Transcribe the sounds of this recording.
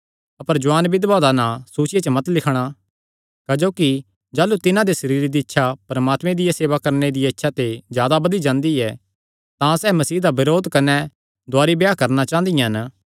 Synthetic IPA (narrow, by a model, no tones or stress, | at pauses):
ɐpəɾd͡ʒʊaːnbɪd̪bad̪anãsuːt͡ʃɪjet͡ʃəmɐt̪lɪkʰɽ̃a | kad͡ʒoːki | d͡ʒaːlut̪ɪnãd̪esɐɾiːɾid̪iɐtːʃʰapɾɐmaːt̪mẽd̪ɪjaseːʋakɐɾned̪ɪjɛɪtːʃʰat̪ezjaːd̪abɐd̪id͡ʒãːnd̪iɛ | t̪ãsɛːmɐsiːd̪abɪɾoːd̪kɐnɛ | d̪ʊaːɾibjakɐɾnat͡ʃãːnd̪ijãɦɐn